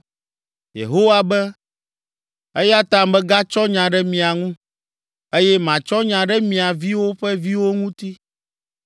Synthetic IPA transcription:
jḛ˨ɦo˦wa˦bɛ˦ | e˦ja˦t̪a˦mbɛ˦ɡa˦t͡ʃɔ˦ɲã˨ɖɛ˦mĩ˨a˨ŋũ˦ | e˦jɛ˦mã˨t͡ʃɔ˦ɲã˨ɖɛ˦mĩ˨a˨vi˦wo˦ɸɛ˦vi˦wo˦ŋũ˦t̪i˦

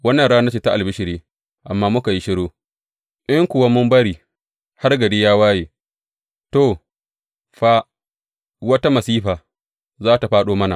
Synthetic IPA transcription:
wɐ˦nːɐ˨nɽaː˦na˦t͡ʃeː˨ta˦ʔa˨lbɪ˦ʃɪ˨ɾiː˦ | ʔa˨mːaː˦mʊ˦ka˨ji˦ʃɪ˦ɽoː˦ | ʔɪ˦ŋkʷʊ˨wa˦mʊ˦mbɐ˦ɽiː˨ | ha˦rɡɐ˨deː˦jaː˦waː˦jeː˨ | to˦˨ | ɸa˦ | wɐ˦ta˦mɐ˨siː˦ɸaː˨ | zaː˦ta˨ɸaː˦ɗoː˦mɐ˦na˨

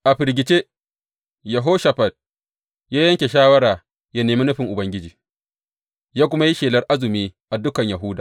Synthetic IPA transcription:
ʔa˨ɸɪ˨ɾɡʲɪ˨t͡ʃe˦ | jɐ˨ɦoː˦ʃa˨ɸɐ˨d̚ | jaː˦jɐ˦ŋkʲe˨ʃaː˦wɐ˦ɾaː˨ | ja˦neː˨mi˦nʊ˦ɸɪ˨ŋʔʊ˨bɐ˦ŋɡʲɪ˦d͡ʒiː˨ | jaː˦kʷʊ˦ma˦ji˦ʃeː˨lɐ˦rʔa˦zɪ˨miː˦ʔa˨dʊ˦kɐ˨ɲja˨ɦʊ˦daː˨

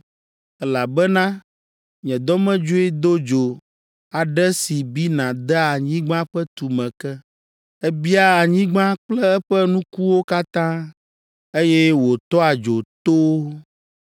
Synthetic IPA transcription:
ɛ˦la˨bɛ˦nã˦ | ɲɛ̃˨d̪ɔ˦mɛ̃˦d͡ʒo˦e˦d̪o˦d͡ʒo˨ | a˨ɖɛ˦si˨bi˦nã˨d̪ɛ˦a˨ɲĩ˦ɡ͡bã˦ɸɛ˦t̪u˨mɛ̃˨kɛ˦ | ɛ˦bi˦a˦a˨ɲĩ˦ɡ͡bã˦k͡plɛ˦ɛ˦ɸɛ˦nũ˦ku˦wo˦ka˦t̪ã˦ | e˦jɛ˦wo˨t̪ɔ˦a˨d͡ʒo˨t̪o˦

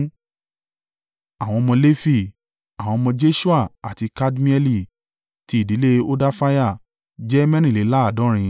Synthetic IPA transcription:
a˨w̃ɔ̃˧mɔ̃˧le˦fi˦˨ | a˨w̃ɔ̃˧mɔ̃˧d͡ʒe˦ʃu˦a˦˨a˨ti˧ka˦dmĩ˦ɛ˦li˦˨ | ti˧˦i˨di˨˦le˦o˦da˦fa˦ja˦˨ | d͡ʒɛ˦mɛ̃˦ñĩ˦˨le˨˦la˦a˦˨dɔ̃˨˦ɾ̃ĩ˧

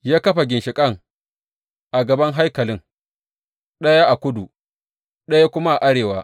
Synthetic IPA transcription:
jaː˦kɐ˦ɸa˨ɡʲɪ˨nʃɪ˨kʼɐ˦ŋ | ʔa˨ɡɐ˨bɐ˦ŋɦa˦jkɐ˨lɪ˦ŋ | ɗɐ˦ja˦ʔa˨kʷʊ˦du˨ | ɗɐ˦ja˦kʷʊ˦ma˦ʔa˨ʔa˦ɽeː˨waː˦

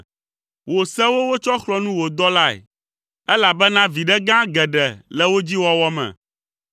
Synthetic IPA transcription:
wo˨sɛ˦wo˦wo˦t͡ʃɔ˦xlɔ˦nũ˦wo˨d̪ɔ˦la˦ɛ̰˨ | ɛ˦la˨bɛ˦nã˦vi˨ɖɛ˦ɡã˦ɡɛ˨ɖɛ˨lɛ˨wo˦d͡ʑi˦wɔ˦wɔ˦mɛ̰̃˨

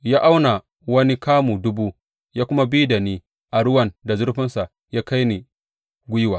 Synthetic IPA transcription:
jaː˦ʔa˦wna˨ | wɐ˦ni˦kaː˦muː˨dʊ˦buː˦ | jaː˦kʷʊ˦ma˦biː˦da˨niː˦ | ʔa˨ɽʊ˦wɐ˨nda˨zʊ˦rɸɪ˦nsa˨ | jaː˦ka˦jni˨ | ɡʷʊ˦jwaː˨

